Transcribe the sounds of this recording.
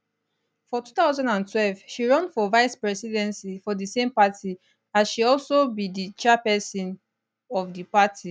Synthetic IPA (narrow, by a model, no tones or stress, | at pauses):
fɔtutaʊzãndãntwɛlvʃiɹɔ̃nfɔvaɪspɹɛsidɛ̃nsifɔdisẽmpatʰi | azʃiɔlsobidit͡ʃɛpɛsɔ̃n | ɔvdipatʰi